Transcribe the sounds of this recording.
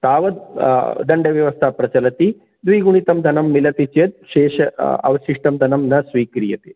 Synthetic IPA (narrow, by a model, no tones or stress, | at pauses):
t̪aːʋɐd̪̚d̪ɐɳɖɐʋjɐʋɐst̪ʰapɾɐt͡ʃɐlɐt̪i | d̪ʋiːɡuɳ̃it̪ɐmd̪ʱɐnɐmːilɐt̪it͡ʃet̪̚ʃeːʃɐɐ̰ʋɐʃiʂʈɐmd̪ʱɐnɐmnɐsʋiːkɾijɐt̪i